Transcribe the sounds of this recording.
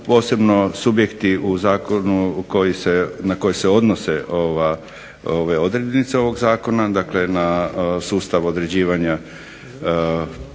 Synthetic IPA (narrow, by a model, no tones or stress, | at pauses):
po̞ːse̞bno̞subje̞kt̪iuzaːkonukojisenako̞jese̞o̞d̪nose̞ʔoʋa | oʋeo̞d̪ɾeːd̪nit̪seo̞ʋo̞ɡzaːko̞nad̪akle̞nasuːst̪aʋo̞d̪ɾe̞d͡ʑiːʋaɲa